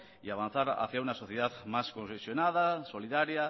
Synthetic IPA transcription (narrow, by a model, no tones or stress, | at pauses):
iaβ̞an̟θaɾa̰θjaunaso̞θjeðaðmaskõnsesjonað̞aso̞liðaɾja